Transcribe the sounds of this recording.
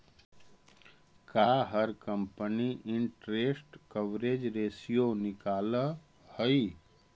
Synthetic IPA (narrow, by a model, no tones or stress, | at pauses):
kaɦəɾkəmpəniʔɪɳʈɾeːsʈkəʋɾeːd͡ʒɾeːsijonɪkaːlə | həi